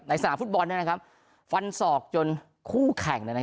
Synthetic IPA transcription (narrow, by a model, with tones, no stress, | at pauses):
na˧jsa˧aː˩˦mfu˦˥t̪̚bɔ˧nːi˦˥˩na˦˥kʰa˦˥p̚ | fa˧nsɔː˨˩k̚t͡ɕo˧n | kʰuː˥˩kʰɛ˨˩ŋnɯ˧˥˩na˦